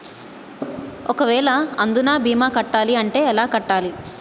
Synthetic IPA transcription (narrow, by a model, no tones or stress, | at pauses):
ɔkɐʋɛːɭɐɐnd̪unaːbʱiːmaːkɐʈːaːliɐɳʈe̞ːɛlaːkɐʈːaːli